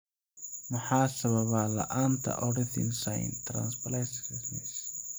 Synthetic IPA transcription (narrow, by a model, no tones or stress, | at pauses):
mʊħɑːsɐβɐβaːlɐ̰ʔaːnt̪ʰɐ̰ʔɔɽɪθɪ̰nsaj̰nt̪ʰɾa̰nsbɐlɛsrɪsmɪs